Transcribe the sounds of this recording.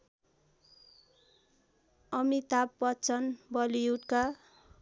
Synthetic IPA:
ʌmit̪apːʌt͡sʰʌnbʌlijuʈka

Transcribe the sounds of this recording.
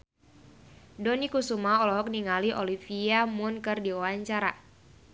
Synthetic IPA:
dɔnikusumaɔlɔɦɔk̚niŋaliʔɔlifiamʊnkɨrdiuwaɲt͡ʃaɾa

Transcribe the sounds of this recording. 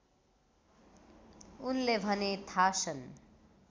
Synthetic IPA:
unlebʱʌnet̪ʰasʌn

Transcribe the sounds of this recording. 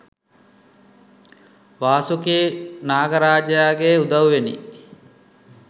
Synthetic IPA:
ʋaːsukiːnaːɡəɾaːd͡ʒjaːɡeud̪ɐʋuʋenḭ

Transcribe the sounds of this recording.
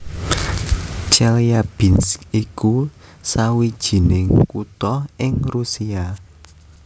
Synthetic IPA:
t͡ʃɛlijab̥inskikusawid̥ʒ̥i̤nɪŋkut̪ɔɪŋrusia

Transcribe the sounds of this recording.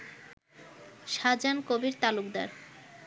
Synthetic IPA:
ʃad͡ʑankobiɾt̪alukd̪a̰ɾ

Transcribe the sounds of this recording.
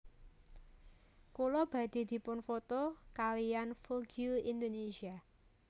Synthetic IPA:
kulɔb̥ä̤d̪̥i̤d̪̥i̤pʊnfot̪ɔkalijanfoɡjuind̪onesia

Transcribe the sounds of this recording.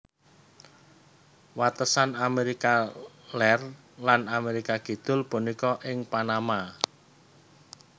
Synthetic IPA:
wat̪əsanameɾika | lɛr | lanameɾikaɡ̥i̤d̪̥ʊ̤lpunikɔʔɪŋpanama

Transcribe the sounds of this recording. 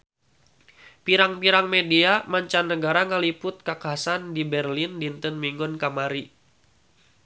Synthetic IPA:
piɾaŋpiɾaŋmediamaɲt͡ʃanːəɡaɾaŋalipʊt̪̚kakaasandibɛrlindint̪ənmiŋɡɔnkamaɾi

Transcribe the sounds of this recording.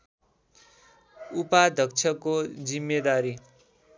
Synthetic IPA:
upad̪ʱʌk̚t͡sʰʌkod͡zimːed̪aɾi

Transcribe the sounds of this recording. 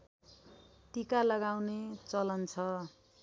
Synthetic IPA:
t̪ikalʌɡawnet͡sʌlʌnt͡sʰʌ

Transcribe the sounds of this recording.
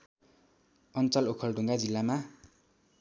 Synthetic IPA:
ʌnt͡sʌlokʰʌlɖʱuŋɡad͡zilːama

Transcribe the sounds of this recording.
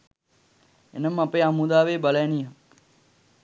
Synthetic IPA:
ḛnəmapeːamud̪aːʋeːbaləjnijə

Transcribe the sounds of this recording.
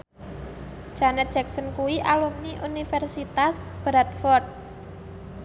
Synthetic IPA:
d͡ʒ̥anɛt̪̚d͡ʒɛk̚sənkuwiʔalumniʔunifɛrsit̪asb̥ɾat̪̚fɔrt̪̚

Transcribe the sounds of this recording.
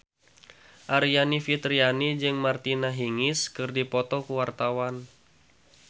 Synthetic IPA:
ʔaɾijanifit̪ɾianid͡ʒɨŋmart̪inaɦiŋɪskɨrdipɔt̪ɔkuwart̪awan

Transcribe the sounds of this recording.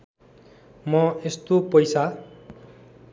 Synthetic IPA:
mʌest̪opʌjsa

